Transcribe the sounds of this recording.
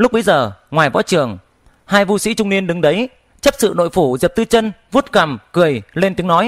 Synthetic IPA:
lʊ˦˥k͡p̚ɓə˨˦jzəː˨˩ŋwaː˨˩jvɔ̰˧˥t͡ɕɨ˨˩əŋ | haː˧jvu˧sḭ˧˥t͡ɕʊ˧ŋ͡mni˧ənɗɨ˨˦ŋɗə˨˦j | t͡ɕə˦˥p̚sɨ̰˧˨no̰˧˨jfu˧˩zi˨˩p̚t̪ɨ˧t͡ɕə˧nvu˦˥t̚ka˨˩mkɨ˨˩əjle˧nt̪i˨˦əŋnɔ˨˦j

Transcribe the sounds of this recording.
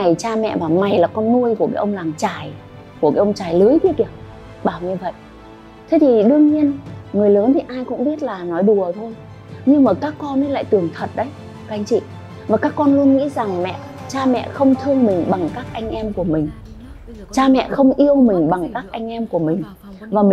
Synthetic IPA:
a˨˩jt͡ɕaː˧mɛ̰˧˨vaː˨˩ma˨˩jlaː˨˩kɔ˧nːu˧əjku˧˩əkaː˨˦ʔə˧wŋ͡mlaː˨˩ŋt͡ɕaː˨˩j | ku˨˧˩əkaː˨˦ʔə˧wŋ͡mt͡ɕaː˨˩jlɨ˨˦jki˦˥ki˧˩ə | ɓaː˧˩wɲɨ˧və̰˧˨j | t̪ʰe˨˦t̪ʰi˨˩ɗɨ˧əŋɲi˧ənŋɨ˨˩əjləː˨˦nt̪ʰi˨˩ʔaː˧jkʊ̰˧˥ŋ͡mɓi˦˥ət̚laː˨˩nɔ˨˦jɗu˨˩ət̪ʰo˧j | ɲɨ˧ŋmaː˨˩kaː˦˥kːɔ˧nʔə˨˦la̰ː˧˨jt̪ɨ˨˩əŋt̪ʰə˨˩t̚ɗə˨˦j | ka˨˧jŋ̟t͡ɕḭ˧˨ | vaː˨˩kaː˦˥kːɔ˧nlu˧ənŋḭ˧˥za˨˩ŋmɛ̰˧˨ | t͡ɕaː˧mɛ̰˧˨xə˧wŋ͡mt̪ʰɨ˧əŋmï˨˩ŋ̟ɓa˨˩ŋkaː˦˥k̚ʔa˧jŋ̟ʔɛ˧mku˧˩əmï˨˩ŋ̟ | t͡ɕaː˧mɛ̰˧˨xə˧wŋ͡mʔi˧əwmï˨˩ŋ̟ɓa˨˩ŋkaː˦˥k̚ʔa˧jŋ̟ʔɛ˧mku˧˩əmï˨˩ŋ̟ | vaː˨˩mi˨˩

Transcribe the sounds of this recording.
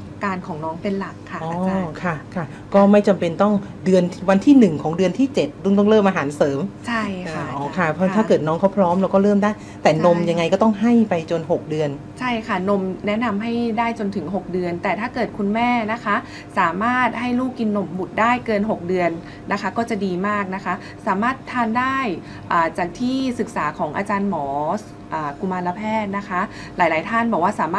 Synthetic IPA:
kaː˧nkʰɔː˩˦ŋnɔː˦˥ŋpe˧nla˨˩kʰːa˥˩ʔɔː˩˦kʰa˥˩kʰa˧˥˩ | kɔː˥˩ma˥˩jt͡ɕa˧mpe˧nt̪ɔ˥˩ŋ | dɯ˧ənwa˧nt̪ʰiː˥˩nɯ˨˩ŋkʰɔː˩˦ŋdɯ˧ənt̪ʰiː˥˩t͡ɕe˨˩t̪̚duː˥˩ŋt̪ɔ˥˩lɤː˥˩mʔaː˧ɦaː˩˦nsɤː˩˦mt͡ɕʰa˥˩jkːʰa˥˩ɔː˨˧˩kʰa˥˩pʰɔ˧˥aː˥˩kɤː˨˩t̪̚nɔː˦˥ŋkʰa˥˩wpʰɾɔː˦˥mlɛ˧wkɔː˥˩ɾɤː˥˩mdaː˥˩j | t̪ɛː˨˩no˧mja˧ŋːa˧jkɔ˥˩t̪ɔ˥˩ŋɦa˥˩jpa˧jt͡ɕo˧nho˨˩k̚dɯ˧ən | t͡ɕʰa˥˩jkʰa˥˩no˧mnɛ˦˥ʔna˧mɦa˥˩jdaː˥˩jt͡ɕo˧nt̪ʰɯ˩˦ŋɦo˨˩k̚dɯ˧ənt̪ɛː˨˩t̪ʰaː˥˩kɤː˨˩t̪̚kʰu˧nmɛː˥˩na˦˥kʰa˦˥ | saː˩˦maː˥˩t̪̚ha˥˩jluː˥˩kːi˧nːo˧˩mbu˨˩t̪̚daː˥˩jkɤː˧nɦo˨˩k̚dɯ˧ənː | a˦˥kʰa˦˥kɔː˥˩t͡ɕa˨˩diː˧maː˥˩k̚na˦˥kʰa˦˥ | saː˩˦maː˥˩t̪ʰːaː˥˩ndaː˥˩j | ʔaː˨˩t͡ɕaː˨˩k̚t̪ʰiː˥˩sɯ˨˩k̚saː˩˦kʰɔː˩˦ŋʔa̰ː˧t͡ɕaː˧nmɔː˩˦s | ʔaː˨˩ku˧maː˧la˧pʰɛː˥˩t̪̚na˦˥kʰa˦˥ | laː˩˦jlaː˩˦jt̪ʰaː˥˩nbɔː˨˩kwaː˥˩saː˩˦mː˥

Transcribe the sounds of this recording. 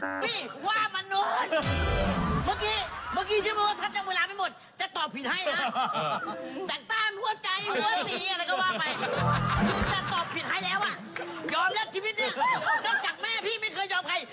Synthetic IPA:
miː˧˩waː˧˥˩ma˧nːoː˦˥˧n | maː˧˥kiː˧˥maː˧˥kiː˧t͡ɕʰiː˧˩mː˧˥˩pʰa˧˥t̚t͡ɕaː˧˩mu˧˦laː˧˥mpa˧˥˨jmo˨˩t̪̚t͡ɕa˨˩t̪ɔː˨˩pʰi˨˩ha˥˩j | t̪ɛː˨˩k̚t̪aː˧˥˩nhu˧˥˩ət͡ɕa˧jhu˧˥ət̪iː˧a˧la˧˩kɔ˧˩waː˧˩ma˧˩jkʰɯː˧t͡ɕaː˨˩t̪ɔː˨˩pʰːi˨˩t̪̚ha˧˥˩jlɛː˦˥wʔa˧˩ | jɔː˧mla˦˥t̚t͡ɕʰi˧˩i˦˥t̪̚niː˦˧˥nɔ˦˧˥p̚t͡ɕaː˨˩k̚mɛː˧˥˩pʰiː˥˩ma˥˩jkʰɤː˧jːɔː˧mkʰa˧˩j

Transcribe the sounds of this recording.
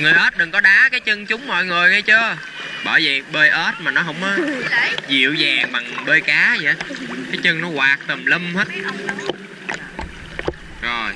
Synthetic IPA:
ŋɨ˨˩jʔəː˦˥t̚ɗɨ˨˩ŋkɔ˨˦ɗaː˨˦kaː˨˦jt͡ɕə˧ŋt͡ɕʊ˨˦ŋ͡mmɔ̰˧˨jŋə˨˩jŋə˧jt͡ɕəː˧ | ɓɔː˧˩zə˧˨˩ɓəː˧jʔəː˦˥t̚maː˨˩nɔ˨˦ɦə̰˧˥wŋ͡mzḭ˧˨əwzaː˨˩ŋɓa˨˩ŋɓəː˧jkaː˨˦zə̰˧˨˦kaː˨˦jt͡ɕə˧ŋnɔ˨˦waː˨˩k̚t̪ə˨˩mlə˧mhəː˦˥t̚ | zo˨˩j

